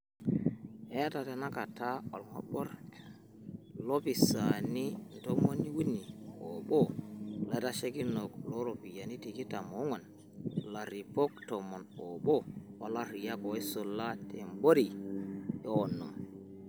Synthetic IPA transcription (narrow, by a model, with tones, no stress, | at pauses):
ʔɛta˨tɛ˨na˦kataɔ̰˨lŋɔ̰ɓɔɾ | lopi˨saninto˦mo˦nːi˦wu˦nːi˨ɔ̰ɓɔla˨ta˦ʃe˦ki˦nɔklo˦ɾopi˨ja˨ni˦ti˨ki˦ta˨mo˦ŋɔ˨n | la˨ɾi˨po˦k̚tɔmɔ˨nɔɓɔ˦ɔla˦ɾi˨ja˦kɔ˨˦sɔlːa˦tʰembo˦ɾi˨ | ɛɔnːɔ˨m